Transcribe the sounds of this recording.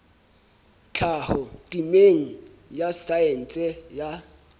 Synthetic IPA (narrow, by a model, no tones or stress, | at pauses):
t͡ɬʰahɔtʼimeŋ̩jasaɛn̩t͡sʼɛja